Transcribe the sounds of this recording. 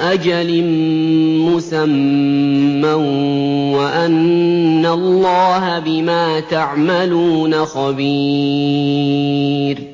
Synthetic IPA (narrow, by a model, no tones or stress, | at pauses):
ʔad͡ʒalɪ | mʊsamː | awwaʔanːalːɑːɦabɪmaːt̪aʕmaluːnaxabiː | ɾ